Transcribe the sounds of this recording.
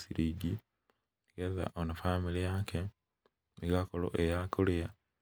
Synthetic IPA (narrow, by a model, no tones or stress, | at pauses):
siɾiɟi | ɡeza̰ʔonafamilijake | nikakolo̰ʔejakulija